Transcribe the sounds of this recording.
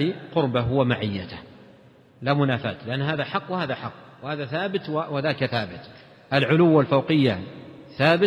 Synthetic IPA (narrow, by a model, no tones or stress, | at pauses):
iqʊɾbaɦʊwːamaʕɪjːat̪ah | laːmʊnaːfa̰ːt̪lɪʔanːɦaːðaħɑqːwɪhaːðaħɑqːwhaːðaθaːbɪt̪wɪðaːkaθaːbɪt̪ | ʔalʕʊlʊwːalfawqɪjːa | θaːbɪ